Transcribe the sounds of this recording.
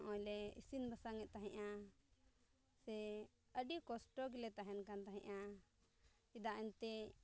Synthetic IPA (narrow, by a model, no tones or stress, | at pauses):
ʔɔ̃lɛḭsinbʱasaŋɛʔt̪aɦɛ̃ʔa | sɛ | əɖikɔsʈɔɡilɛt̪aɦɛnkant̪aɦɛ̰̃ʔa | id̪aʔɛnt̪ɛ